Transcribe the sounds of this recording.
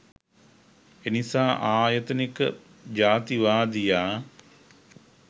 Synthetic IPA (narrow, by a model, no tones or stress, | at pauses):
enisaːʔaːjət̪ənikə̰ | d͡ʒaːt̪iʋaːd̪ijaː